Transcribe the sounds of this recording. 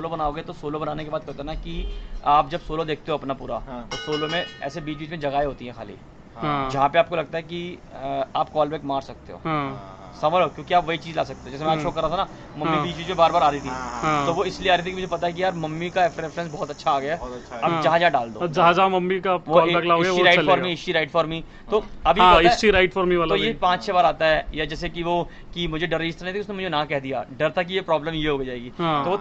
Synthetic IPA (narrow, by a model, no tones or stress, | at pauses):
soːlobɐnaːoɡəet̪osoːlobɐnaːnekebaːd̪̚kɐɾt̪enakiaːp̚d͡ʒɐbsoːlod̪eːk̚ʰt̪eɦoːɐpnapuːɾat̪osoːlomẽɛ̰ːsebiːt͡ʃbiːt͡ʃmẽd͡ʒɐɡaːeɦoːt̪iɦɛ̃xa̰ːlḭ̃ | d͡ʒɐɦãpeaːp̚kolɐɡ̚t̪aɦɛki | aːpkɔːlbɛːkmaːɾsɐk̚t̪ḛɦo̰ːɦã | sɐməlokjõːkiaːpʋɐɦit͡ʃiːzlaːsɐk̚t̪eɦõd͡ʒɛːsemɛ̃ːʃʰokɐɾːat̪ʰana | mɐ̃mːibʱit͡ʃiːd͡ʒpẽbaːɾbaːɾaːɾit̪ʰiãt̪oʋoɪslieaːɾit̪ikimʊd͡ʒʱepɐt̪aɦɛk̬ijaɔɾmɐmːikaefɾefɾɛ̃ns̬bɔːɔt̪ɐtːʃʰaaːɡɐjaaːd͡ʒɐɦãd͡ʒɐɦãɖaːld̪o̰d͡ʒɐɦãd͡ʒamɐmːikaʋoɐɡlaoɡiɾaːɪʈfaːɾmĩɪsʈiɾaːɪʈfɔːɾmi | t̪oːɐbʱiɪsʈiɾaɪʈfɔːɾmiʋaːlt̪ojepãːt͡ʃt͡ʃʰebaːɾaːt̪aɦɛjad͡ʒɛːsekiʋo | kimʊd͡ʒʱeɖɐɾed͡ʒɪst̪ɾnẽĩt̪iʊsnemʊd͡ʒʱenɐãkɛɦd̪ija̰ɖɐɾt̪ʰak̬ijepɾɔːbləmjeɦoːɡed͡ʒaːeːɡiːãt̪oʋo